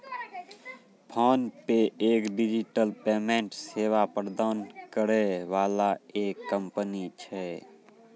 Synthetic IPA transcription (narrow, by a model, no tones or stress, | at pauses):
pʰɔːnpeeːkɖid͡ʒiʈəlpeːmẽɳʈseːʋapəɾd̪aːnkəɾeʋaːlaeːkːəmpənit͡ʃʰɛ